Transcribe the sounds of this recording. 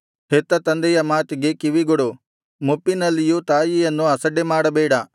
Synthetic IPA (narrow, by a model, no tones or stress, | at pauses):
ɦet̪ːɐt̪ɐnd̪ɛjɐmaːt̪iɡe̞kiʋiɡoɽu | mupːinɐlːijut̪aːjijɐnːuɐsɐɖːemaːɽɐbɛːɽɐ